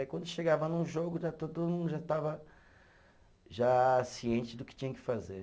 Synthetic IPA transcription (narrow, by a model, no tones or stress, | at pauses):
kwɐ̃nd̪ʊʃeɡavɐnũʒoɡʊʒat̪od̪ʊmdʊmũnd̪ʊʒat̪avɐ | ʒasiẽt͡ʃɪd̪ʊkɪ̥t͡ʃĩɲɐ̃kɪ̥faze